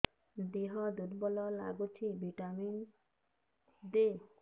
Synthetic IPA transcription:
d̪iɦɔd̪uɾbɔlɔla̰ɡut͡ʃʰibʱiʈamin | d̪e

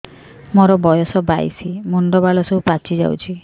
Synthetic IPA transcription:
mɔɾɔbɔjɔsɔba̰jsimuɳɖɔbalɔsɔupat͡ʃid͡ʒa̰wt͡ʃʰi

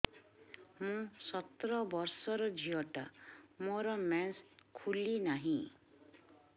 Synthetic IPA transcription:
mũsʌt̪ɾɔbʌɾsɔɾɔd͡ʒʱiɔʈa̰mɔɾɔmɛnskʰulinaɦĩ

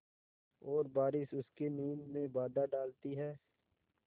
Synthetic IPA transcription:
ɔːɾbaːɾɪsʊskeniːmːẽbaːd̪aɖaːlt̪iɦɛː

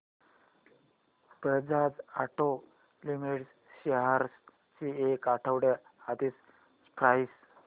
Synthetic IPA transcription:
pɾəd͡zad͡zaʈo | limiʈs | ɕeɦaɾs | t͡ɕiekaʈʰəwɽeat̪is | spɾajs

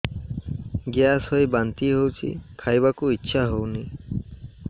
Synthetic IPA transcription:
ɡjasɦojbant̪iɦowt͡ʃʰḭkʰajbakuitːʃʰaɦowni

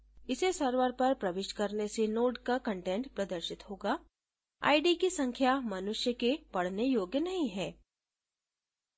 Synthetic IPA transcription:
ɪsesɐɾʋəɾpɐɾpɾɐʋɪʃkɐɾnesenoːʈkakɐ̃ɳʈẽːɳʈpɾɐd̪əɾʃɪt̪hoːɡaː | a̰ːiɖikisɐ̃ŋkʰjamɐnʊʃjəkepɐɽ̤nejoːɡjənɐɦĩɦɛː

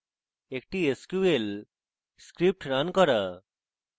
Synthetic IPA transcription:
ek̚ʈieskjuel | skɾip̚ʈɾankɔɾa

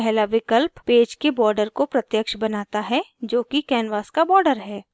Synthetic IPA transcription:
ɛɦlaʋɪkəlppeːd͡ʒkebɔːɾɖəɾkopɾɐt̪jəkʃbɐnaːt̪aɦɛd͡ʒoːkikɛːnʋaːskabɔːɾɖəɾɦɛː

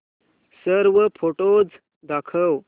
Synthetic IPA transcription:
səɾʋəpʰoʈod͡z | d̪akʰəw

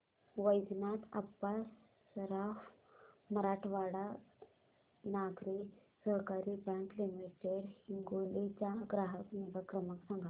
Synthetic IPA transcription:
ʋəjd͡znat̪ʰa̰pːasː | ɾafməɾaʈʰʋaɽa | naɡɾisəɦkaɾibɛ̃ŋkliməɾt͡ɕeɾhiŋɡolit͡ɕaɡɾaɦəkniʋəkɾəməksãŋɡʱa

